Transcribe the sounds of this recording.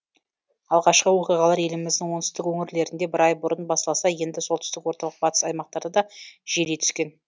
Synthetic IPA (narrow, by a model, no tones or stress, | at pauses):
ɑlˠʁɑʃqəwo̞qijʁɑlˠɑɾje̞lɪmɪzd̪ɪŋwo̞nt̪ʏ̥st̪ɪkwɵŋɪɾle̞ɾɪnd̪e̞bɪɾɑjbʊɾənbɑsɑlˠɑsɑje̞nd̪ɪsolˠt̪ʏ̥st̪ɪkwo̞ɾt̪ɑlˠəq̚bɑt̪ə̥sɑjmɑq̚t̪ɑɾd̪əd̪ɑʒ̥eɾet̪ʰʏ̥skʲe̞n